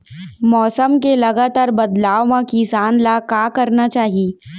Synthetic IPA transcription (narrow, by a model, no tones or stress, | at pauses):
mɔːsəmkelɐɡaːt̪aːɾbɐd̪laːomãkisaːnlakaːkɐɾnat͡ʃaːɦieː